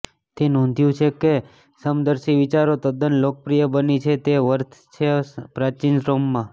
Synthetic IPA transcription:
t̪enɔ̃nd̪ʱjũt͡ʃʰeke | səmd̪əɾʃiʋɪt͡ʃaɾot̪əd̪ənlok̚pɾijəbənit͡ʃʰet̪eʋəɾt̪ʰt͡ʃʰepɾat͡ʃinsɾomːã

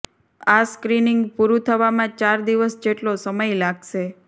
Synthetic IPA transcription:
askɾinɪŋɡpuɾũt̪ʰəʋamãt͡ʃaɾd̪iʋəsd͡ʒeʈlosəməjlaɡʃe

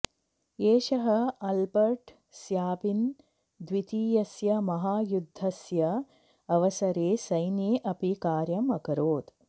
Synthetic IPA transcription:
eːʃɐɦɐɐlbɐɾʈ | sjaːpin | d̪ʋit̪iːjɐsjɐmɐɦaːjud̪ʱːɐsjɐ | ɐʋɐsɐɾeːsɐjnjeːʔɐpikaːɾjɐmɐkɐɾoːt̪

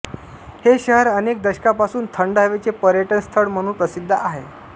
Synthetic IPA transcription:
heɕəɦəɾənek̚d̪əɕkapasuːnt̪ʰəɳɖɦəʋet͡sepəɾjəʈənst̪ʰəɽm̤əɽ̃ũːpɾəsid̪ʱːəʔaɦe

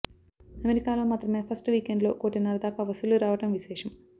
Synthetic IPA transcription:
ɐmeɾikaːlo̞ːmaːt̪ɾɐmeːpʰɐsʈʋiːkeɳɖlo̞̰ːkoːʈinɐɾɐd̪aːkaʋɐsuluɾaːʋɐʈɐmʋiʃɛːʂɐm

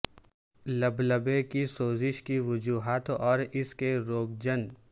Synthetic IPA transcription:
ləbləbekisoːzɪʃkiʋʊd͡ʒuːɦaːt̪ɔːɾɪskeɾoːɡ̚d͡ʒən

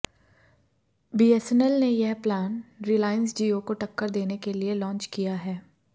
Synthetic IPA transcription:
biːɛsənəlnejɐɦplaːnɾilaːɪənsd͡ʒiːokoʈɐkːəɾd̪eːnekelielɔ̃ːnt͡ʃkijaɦɛː

